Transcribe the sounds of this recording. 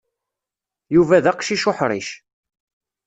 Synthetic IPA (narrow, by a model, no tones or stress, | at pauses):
juvæðɑqʃiʃʊħɾˤḭʃ